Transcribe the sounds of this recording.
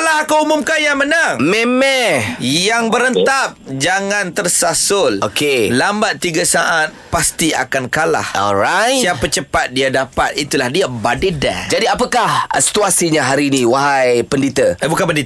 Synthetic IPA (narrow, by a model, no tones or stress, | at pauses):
laɦakuumʊmkanjamənaŋmemɛjaŋbəɾənt̪ap̚d͡ʒaŋãnt̪ərsasʊlokelambat̪ːiɡasaʔat̪̚past̪ia̰kankala̰hɔ̰lɾajsiapət͡ʃəpat̪̚diadapa̰t̪̚it̪ulahdiabadəda̰d͡ʒadiapəkahsi̥t̪uasiɲaɦaɾiniwaɦajpəndit̪əabukanpəndit̪